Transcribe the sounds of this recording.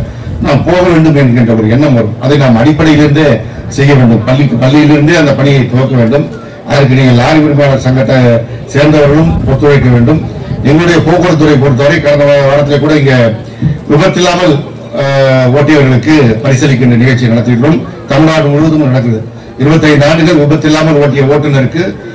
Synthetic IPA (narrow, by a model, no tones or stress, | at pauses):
naːmpoːɐɣɐʋeːɳɖɯmɛnɛndrɐɔɾɯɛɳːɐmʋɐɾɯmɐ̰ðɐɪnaːmɐɽɪpːɐɽɐjɪlɪɾɯnd̪e | sɛjːɐʋeːɳɖɯmpɐlːɪkːpɐlːɪjɪlɪɾɯnd̪ɯɐnd̪ɐpɐɳɪjɐɪt̪ɔʋɐkːɐʋeːɳɖɯm | ʔɐ̰ðɐɾɯkːɯniːŋɡɐɭjaːɾɪmɪɾɯmɐjaːɭɐɾsɐŋɡɐʈːɐ | seːɾnd̪ɐʋɐɾɣɐɭɯmpot̪ːɯɾɐɪkːɐʋeːɳɖɯmɛŋɡɐɭɯɽɐjɐpoːkːɔɽɐt̪̬ːʊɾɐɪp̬oːɽɯt̪̬ːɐʋːɾɐɪkɐɽɐnd̪ɐmaɐʋaːɽɐt̪̬ːɪlɛkːuːɽɐɪŋɡe | ʋɪbɐt̪ːɪlːaːmɐl | oːʈːɪjɐʋɐɾɣɐɭɯkːɯpɐɽɪsɐlɪk̬ʲːɪndrɐnɪɣɐɭt͡ʃːijnɐɽɐt̪ːɪɪʈːroːm | t̪ɐmɪɽaːʈɯmʊɻɯʋɐðɯmnɐɽɐk̪̬ːɯɾɐðɯ | ɪɾɯbɐt̪ːɐɪnd̪aːɳɖɯɣɐɭʋɪbɐt̪ːɪlːaːmɐloːʈːɪjɐoːʈːɐnɐɾɯkːɯ